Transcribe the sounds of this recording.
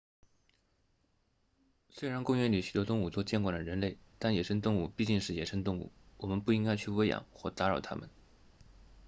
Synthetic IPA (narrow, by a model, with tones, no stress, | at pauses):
swe˥ɪɻa˧˥nkʊ˥˧ŋɥɛ˧˥nli˨˩ɕy˨˩t̪wɔ˥t̪ʊ˥˧ŋu˨˩t͡sɔ˥˧t͡ɕjɛ˥˧nkwa˥˩nd̪ə˩ɻə˧˥nle˥˩ɪt̪a˥˩njɛ˨˩ʂʰə˥ŋt̪ʊ˥˧ŋu˥˩pi˥˧t͡ɕi˥˧ŋʂɻ̩˥˩jɛ̰˨˩ʂʰə˥ŋt̪ʊ˥˧ŋṵ˥˩wɔ˨˩mə˧˦npu˥˩i˥ŋka˥ɪt͡ɕʰy˥˧we˥ɪjɑ̰˨˩ŋxwɔ˥˩t̪a˧˥ɻɑ˨˩t̪ʰa̰˥mə̰˨n